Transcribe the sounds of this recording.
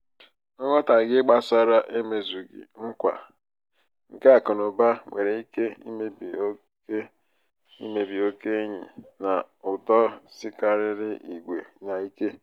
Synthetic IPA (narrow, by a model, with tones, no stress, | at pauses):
ɔ˦ŋɔ˦ta˨ɡɪ˦ɡ͡ba˦sa˦ɾa˦ʔe˦me˨zu˨ɡɪ̰˨ŋ̩˦kʷa̰˨ | ŋ̩˨ka˦a˨kʊ˨nʊ˨ba˦ŋʷe˨ɾe˨i˦ke˦i˦me˦bi˨o˦ | ke˦ | ḭ˦me˨bi˨o˦ke˦ɲḭ˨na˨ʊ˨tɔ˦sɪ˦ka˨ɾɪ˦ɾɪ˦ʔi˨ɡʷe˨na˨i˦ke˦